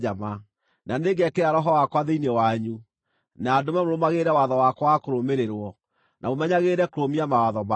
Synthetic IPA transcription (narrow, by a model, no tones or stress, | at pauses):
ama | naneɡɛkeɾaɾɔɦɔwakwaðeinewaɲu | naːdomɛmoɾomaɣeɾɛwaðɔwakɔwakoɾomeɾeɾwɔ | nʔamomɛɲaɣeɾɛkoɾomiamawaðɔma